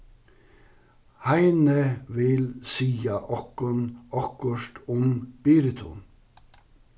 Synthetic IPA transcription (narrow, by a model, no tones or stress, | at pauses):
hæɪnəʋɪlsiːɑʔɑkɔnɑkɔʃʈʊmb̥iːɾət̪ʰʊ̰ːn